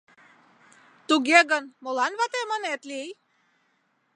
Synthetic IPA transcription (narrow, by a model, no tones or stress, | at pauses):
t̪uɡjeɡənmolanvat̪emənɛt̪lij